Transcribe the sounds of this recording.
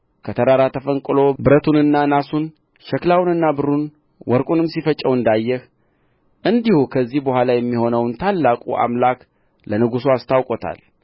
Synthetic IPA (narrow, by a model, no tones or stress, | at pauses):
kʰət̪ʰəɾaɾat̪ʰəfəŋkʼɨlo̞bɨɾət̪ʰunɨnːanasun | ʃɛklawnɨnːabɨɾun | wɔɾkʼunɨmːsifət͡ʃʼːəwɨnd̪ajːɛh | ʔɨnd̪ihukʰəzːihbəhʷwalajɛmːiho̞nəwnt̪ʰalːakʼuʔa̰mlak | lənɨɡusuast̪ʰawkʼot̪ʰa̰l